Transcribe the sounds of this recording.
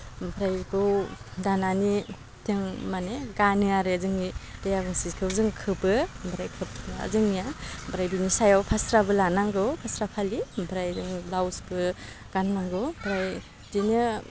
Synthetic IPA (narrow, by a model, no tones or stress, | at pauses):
bʰɾajɡɯwdanani | tʰeŋmaneɡanɯaɾezɯŋnitajaɡɯŋsizkʰɯwzɯŋkʰɯbɯmbʰɾajkʰɯp̚a̰zɯŋnijabʰɾajbinisajawpʰasɾabɯlanaŋɡɯwpʰasɾapʰalimbʰɾajzɯŋlawsbɯ | ɡ̥anmaŋɡɯwbʰɾaj | dinɯ